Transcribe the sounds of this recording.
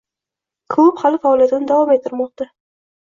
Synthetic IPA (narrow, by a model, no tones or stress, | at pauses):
kʰʊphalɪfaːlijat̪ɪnɪd̪avɒmet̪ʰːɪɾmɒq̚t̪a